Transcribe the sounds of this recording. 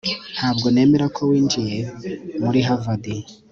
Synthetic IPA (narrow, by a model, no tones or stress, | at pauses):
n̥haːbɡo̞ne̞ːme̞ɾakʰo̞wiːɲd͡ʒije̞muɾiɦavadi